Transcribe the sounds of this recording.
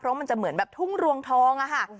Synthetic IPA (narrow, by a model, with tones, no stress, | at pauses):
pʰɾɔ˦˥ma˧nt͡ɕa˨˩mɯ˩˦ənbɛː˨˩p̚t̪ʰu˥˩ŋɾu˧əŋt̪ʰɔː˦˥ŋʔa˧˩kʰa˥˩